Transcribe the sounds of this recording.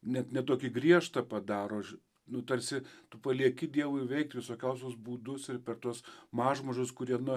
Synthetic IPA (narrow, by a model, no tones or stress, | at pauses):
nʲɛt̪nʲɛt̪oːkʲɪɡɾʲiɛʃt̪ɐpɐd̪ɑːɾoː | nʊt̪ɐrʲsʲɪt̪ʊpɐlʲiɛkʲɪd̪ʲiɛʋʊɪʋʲɛɪk̚t̪ʋʲɪsoːkʲɛʊsʲʊsbuːd̪ʊsɪrpʲɛrt̪uɔsmɑːʒmɐʒʲʊskʊɾʲiɛnʊ